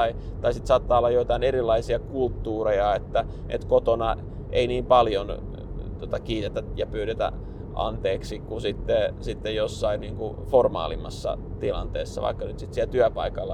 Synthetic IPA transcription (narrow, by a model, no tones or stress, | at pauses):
it̪ɑisit̪sɑːt̪ːɑːolːɑjoit̪ɑineɾilːɑisiɑkult̪ːuːrejɑet̪ːæ | ʔḛt̪kot̪onɑ | ʔḛiniːmpɑljon | t̪uot̪ɑkiːt̪et̪æjɑpyːɾet̪æ̰ | ʔɑ̰nt̪eːksikusit̪ːesit̪ːejjosːɑinniːŋku | formɑ̰ːlimːɑsːɑ̰ | t̪ilɑ̰nt̪ḛːsːɑ̰ʋɑ̰ikːɑnyt̪sit̪siælt̪yæpɑ̰ikɑlːɑ